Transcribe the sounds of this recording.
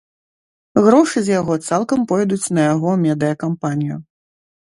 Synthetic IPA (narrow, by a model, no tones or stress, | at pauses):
ɣɾɔʂɨzʲjaɣɔt̪salˠkɐmpɔjd̪ut͡sʲnɐjaɣɔmʲɛd̪ɨjɐkampanʲijṵ